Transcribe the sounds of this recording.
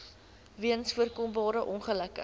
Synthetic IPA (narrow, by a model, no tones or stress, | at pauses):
viəənsfuərkɔmbɑːɾəʔɔnχələkə̰